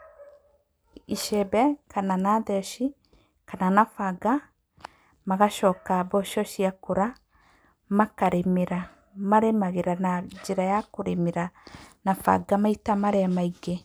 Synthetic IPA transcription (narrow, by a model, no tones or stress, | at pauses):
iʃebɛkananaðɛʃi | kananafaɡa | maɣaʃɔkabɔʃɔʃiakoɾa | makaɾemeɾa | maɾemaɣeɾanad͡ʒeɾajakoɾemeɾanafa̰ɡamaitamaɾɛmaiɡe